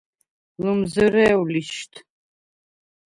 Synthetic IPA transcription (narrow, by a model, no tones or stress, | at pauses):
lɨmzɨrɛːwliʃtʰ